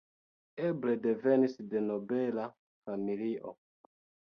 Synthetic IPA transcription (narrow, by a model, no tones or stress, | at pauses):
ɛbledevɛnisdenobɛla | familiʔo̰